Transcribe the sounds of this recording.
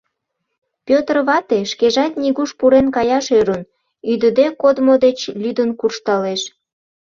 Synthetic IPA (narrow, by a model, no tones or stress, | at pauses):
pʲøt̪ərβɑt̪eʃkeʒɑt̪niɣuʃpuɾenkɑjɑʃøɾun | yd̪əd̪ekod̪mod̪et͡ɕlʲyd̪ənkurʃt̪ɑleʃ